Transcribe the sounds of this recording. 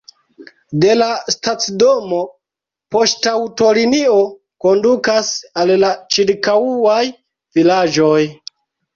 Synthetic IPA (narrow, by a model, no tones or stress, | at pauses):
de̞lastat͡sdomo̞ | po̞stawto̞linio | ko̞ndukasallat͡ʃiɾkauaj | vilad͡ʒo̞j